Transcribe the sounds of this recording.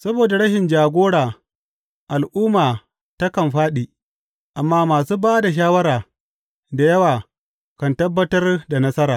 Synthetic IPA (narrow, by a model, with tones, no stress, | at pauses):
sɐ˦boː˨da˨ɽɐ˦ʃɪ˨nd͡ʒaː˨ɡʷoː˦ɽaː˨ | ʔa˨lʔuː˦maː˨ | ta˦kɐ˨mɸaː˦ɗiː˨ | ʔa˨mːaː˦maː˨suː˦baː˦da˨ʃ̬aː˦wɐ˦ɾaː˨ | da˨jɐ˦waː˨ | kɐ˨ntɐ˦bːɐ˦tɐ˦rda˨nɐ˦sɐ˦ɾaː˨